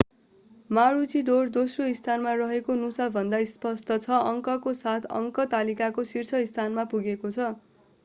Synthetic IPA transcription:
maɾut͡sid̪ord̪osroist̪ʰanmarʌɦekonusabʱʌnd̪aispʌst̪ʰʌt͡sʰʌʌŋkʌkosat̪ʰʌ̰ŋkʌt̪alikakosirt͡sʰʌist̪ʰanmapuɡekot͡sʰʌ

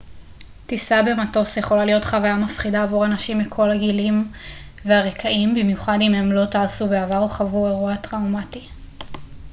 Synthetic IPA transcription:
tisabe̞mato̞sjeχo̞lalijo̞tχavajamafχidaːvuʁanaʃimikʰo̞laɡilim | veaʁekʰaimbimjuχadimhe̞mlo̞taːsubeavaʁoχavueʁuatʁawmati

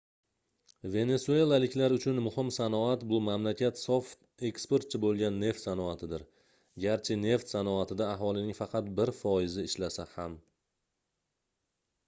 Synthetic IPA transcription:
ve̞ne̞sue̞lˠalɪkʲlaɾʊt͡ʃʰʊnmʊhɪmsanɒat̪bʊmamlakʲʰat̪soft̪ | e̞kspo̞ɾt̪̚t͡ʃʰɪbolˠɡʲanːe̞ft̪sanɒat̪ʰɪd̪ɪɾ | ɡʲaɾt͡ʃʰɪne̞ft̪sanɒat̪ʰɪd̪aːɦɒlˠɪnɪŋfɑqʰɑt̪̚bɪɾfɒɪzɪɪʃlasaham

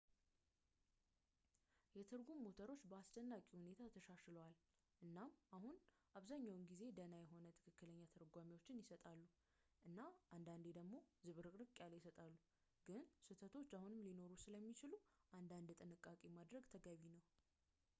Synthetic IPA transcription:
jɛt̪ʰɨɾɡumːot̪ʰəɾo̞t͡ʃːbəast͡ʃ̪ənːakʼihune̞t̪ʰat̪ʰəʃaʃləwal | ʔɨnːamʔahun | ʔaβzaɲːawɨnɡize̞d̪ənajɛɦo̞nət̪ʰɨkʰɨkːɨləɲːat̪ʰəɾɡʷamiwo̞t͡ʃːɪnjɪsət̪ʼalːu | ʔɨnːaʔand̪and̪ed̪əɡmo̞zɨβɾɨkʼɾɨkʼjaljɪsət̪ʼalːu | ɡ̥ɨnsɨt̪ʰət̪ʰo̞t͡ʃːahunɨmlino̞ɾusɨləmːit͡ʃɪluʔand̪and̪t̪ʼɨnɨkʼːakʼemad̪ɾəɡt̪ʰəɡaβinəw

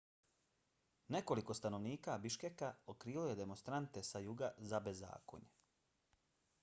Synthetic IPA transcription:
ne̞ko̞liko̞st̪ano̞ʋniːkabiʃkekaokɾiːlo̞je̞d̪e̞monst̪ɾant̪esajuɡazabe̞zːa̰ːko̞̰ɲe̥

